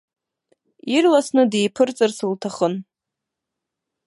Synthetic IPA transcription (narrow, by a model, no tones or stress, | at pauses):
irlasnɨdejpʰɨrt͡sʼɨrsɨltʰaχən